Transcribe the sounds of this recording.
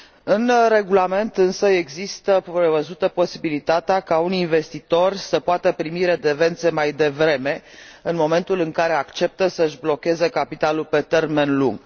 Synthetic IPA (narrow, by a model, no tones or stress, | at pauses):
ɨnre̞ɡulame̞nt̪ɨnsəeɡzist̪əɾe̞vəzut̪əpo̞sibilit̪at̪eakauninve̞st̪it̪o̞rsəpoat̪əpɾimiɾe̞d̪e̞ve̞nt̪se̞majd̪e̞vɾe̞me̞ɨnmo̞me̞nt̪ulɨŋkaɾe̞akt͡ʃe̞p̚t̪əsəɨʒblo̞kʲezəkapit̪alulpe̞t̪e̞rme̞nlṵŋɡ